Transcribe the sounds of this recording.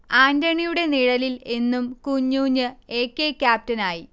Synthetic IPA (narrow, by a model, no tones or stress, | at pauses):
aːndɐɳijuɽe̞niɻɐlile̞nːumkuɲːuːɲːɨe̞ːkːe̞ːkʲːjaːp̚tɐnaːji